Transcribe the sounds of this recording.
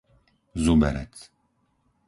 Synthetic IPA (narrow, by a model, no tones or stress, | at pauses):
zubɛ̰ɾɛ̰t͡s